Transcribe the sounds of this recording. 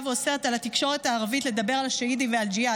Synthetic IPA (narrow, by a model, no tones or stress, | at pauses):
vose̞ʁet̪alat̪ikʃo̞ʁe̞t̪aːʁavit̪le̞d̪abe̞ʁalaʃeidiveald͡ʒia